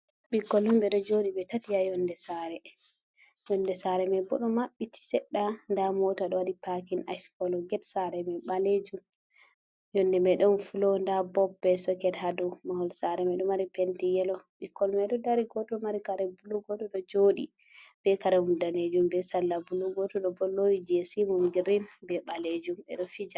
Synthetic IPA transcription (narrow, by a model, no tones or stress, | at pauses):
ɓikːɔlumbɛɗɔd͡ʒoɗibɛtatijajɔndɛsaɾɛ | jɔndɛsaɾɛmɛbɔ̰ɗɔmaɓːiti̥sɛɗːandamɔtaɗɔwadipakinajskɔlɔɡɛtsaɾɛmɛɓaled͡ʒum | jɔndɛmɛɗɔnfulɔndabɔbːɛsɔkɛdɦadɔmahɔlsaɾɛmɛɗɔmaɾipɛntijɛlɔɓikːɔlmɛɗɔdaɾiɡɔtɔmaɾikaɾɛbuluɡɔtɔɗɔd͡ʒoɗḭ | b̥ɛkaɾɛhundaned͡ʒumbɛsalːabuluɡɔtɔɗɔbɔlːojid͡ʒesimumɡiɾinbɛɓaled͡ʒumɛ̰ɗɔfid͡ʒa